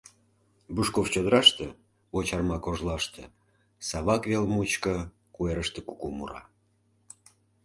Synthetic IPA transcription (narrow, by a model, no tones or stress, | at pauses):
buʃkoft͡ɕod̪əɾɑʃt̪e | ot͡ɕɑrmɑkoʒlɑʃt̪e | sɑβɑkvelmut͡ɕkə | kueɾəʃt̪ĕkukumṵɾɑ̰